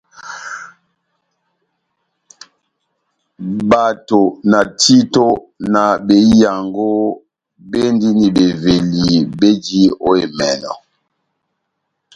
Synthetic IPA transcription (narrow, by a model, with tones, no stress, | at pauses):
ba˨to˨na˨tʰi˦to˦ | na˨be˨ja˨ŋɡo˦ | be˦ndi˦ni˨be˨ve˨li˨be˦d͡ʒi˦o˦e˨mɛ˨nɔ̰˨